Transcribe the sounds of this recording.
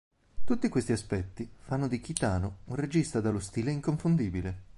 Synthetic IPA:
t̪ut̪ːikwest̪iaspɛt̪ːifanːod̪ik̟it̪aːnoured͡ʒist̪ad̪alːost̪iːleiŋkoɱfond̪iːbile

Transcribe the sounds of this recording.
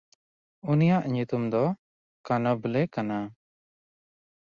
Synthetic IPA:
unijaʔɲut̪umd̪ɔ | kanɔblɛkana

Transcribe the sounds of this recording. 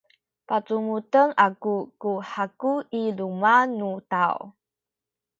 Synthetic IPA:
pat͡sumutəŋakukuħakuilumanutaw

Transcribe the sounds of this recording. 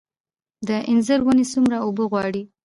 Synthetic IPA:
d̪əʔɪnzəɾwʊnesumɾaobəɣwɑɽi

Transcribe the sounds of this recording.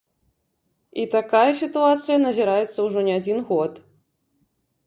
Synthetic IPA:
it̪akajɐsʲit̪uat̪sɨjɐnɐzʲiɾajɛt̪sːɐwʐɔnʲiad͡zʲinɣɔt̪

